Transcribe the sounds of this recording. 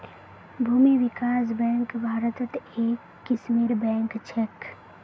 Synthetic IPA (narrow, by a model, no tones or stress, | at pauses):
bʱuːmiʋɪkaːs̬bɛ̃ːŋkbʱaːɾət̪t̪eːkːɪsmiːɾbɛ̃ːŋkt͡ʃʰek